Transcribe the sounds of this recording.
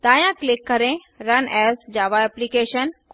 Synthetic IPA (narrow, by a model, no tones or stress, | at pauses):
t̪aːjãklikːəɾẽ | ɾɐnɛsd͡ʒaːʋaɛplikeːʃənk